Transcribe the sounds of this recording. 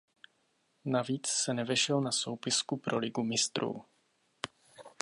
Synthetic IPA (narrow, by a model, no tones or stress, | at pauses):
naviːt͡ssɛnɛvɛʃɛlnaso̞wpɪskupɾʔolɪɡumɪst̪ɾṵː